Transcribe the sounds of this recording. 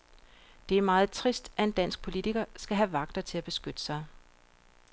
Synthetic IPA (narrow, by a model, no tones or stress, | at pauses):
d̥e̝æɐmɑ̈ːð̩ˠt͡sʰʁisd̥ʔæe̝nd̥æn̰sɡ̥̚pʰo̝lit͡sʰiɡ̥ɐsɡ̥æɦæʋɑ̈ɡ̥d̥ɐt͡sʰe̝læb̥e̝sɡ̥ød̥əsɑ̈ɪ